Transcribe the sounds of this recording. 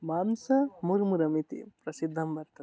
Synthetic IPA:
maːmsɐmuɾmuɾɐmit̪ḭpɾɐsid̪ʱːɐmbɐɾt̪ɐt̪

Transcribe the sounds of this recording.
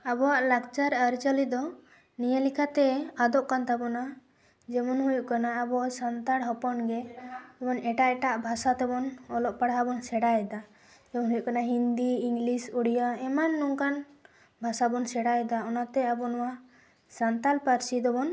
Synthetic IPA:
abɔwaʔlakt͡ʃaɾəɾt͡ʃalid̪ɔ | nijalikʰat̪ɛad̪ɔʔkant̪abɔna | d͡ʒɛmɔnɦujuʔkanaːbɔwaʔsant̪aɽɦɔpɔnɡɛɛmɔnɛʈaʔɛʈaʔbʱasat̪ɛbɔnɔlɔʔpaɽabɔnsɛɽajɛd̪a | d͡ʒɛmɔnɦujuʔkanaɦind̪iiŋɡlisuɽijaɛmanːuŋkan | bʱasabɔnsɛɽajɛd̪aɔnat̪ɛabɔnɔwa | sant̪alpaɾsid̪ɔbɔn

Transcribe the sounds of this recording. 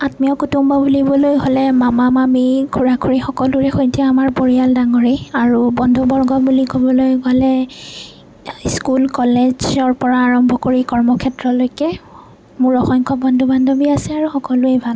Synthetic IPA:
atmiɔkutumbabulibɔlojɦolɛmamamamikʰuɹakʰuɹixɔkɔluɹɛxojtiaamaɹpoɹialdaŋoɹiaɹubɔndʱubɔɹɡɔbulikobɔlojɡɔlɛ | skulkɔled͡ʒɔɹpɔɹaːɹɔmbʱɔkoɹikɔɹmɔkʰɛtɹɔlojkɛ | mʊɹɔxɔŋkɔbɔndʱubandʱobiasɛaɹuxɔkɔluebʱal

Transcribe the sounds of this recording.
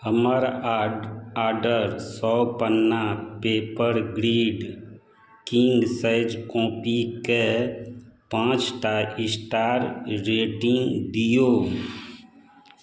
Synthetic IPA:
həməɾ | aːɾɖəɾsɔpənːapeːpəɾɡɾiːɖ | kiːnɖsəɪd͡ʒkɔ̃ːpike | pãːt͡ʃʈaɪsʈaːɾɾeːʈɪ̃ŋɡd̪ijoː

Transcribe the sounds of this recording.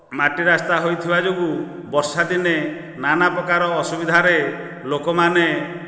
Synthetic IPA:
maʈiɾast̪aɦojt̪ʰibad͡ʒoɡu | bɔɾsad̪ine | nanapɾɔkaɾɔːsubid̪ʱaɾe | lokɔmane

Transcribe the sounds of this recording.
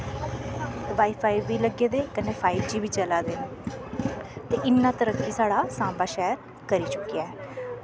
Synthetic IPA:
ʋaːiːpʰaːiʋːiːləɡeːd̪eːkəneːpʰaːɪbd͡ʒiːʋiːt͡ʃəlaːd̪eː | t̪eːʔɪnːãːt̪əɾəkːiːsaːɽaːsãːbaːʃɛːɾ | kəɾiːt͡ʃʊkːijaːɛː

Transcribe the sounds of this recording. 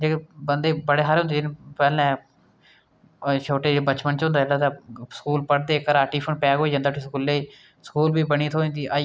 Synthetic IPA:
d͡ʒeːkbənd̪eːbəɽeːɦaːɾɦʊ̃nd̪eːd͡ʒɪnpɛːlɛ̃ː | t͡ʃʰoːʈeːd͡ʒbət͡ʃpənt͡ʃõnd̪aːlːaːt̪ãːskuːlpəɽd̪eːkəɾaːʈiːpʰənpɛːɡɦoːid͡ʒãːnd̪aːʈiːskʊlːeːiː | skuːlbiːbəñiːt̪ʰoːĩːnd̪iːʔa

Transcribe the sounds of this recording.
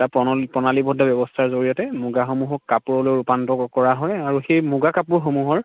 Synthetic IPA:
tapɔpɔnalibʱɔdʱɔbɛbɔstʰaɹzoɹijɔtɛmuɡaxomuɦɔkːapuɹɔlojɹupantɔkɔɹaɦɔjaɹuxejmuɡakapuɹxomuɦɔɹ

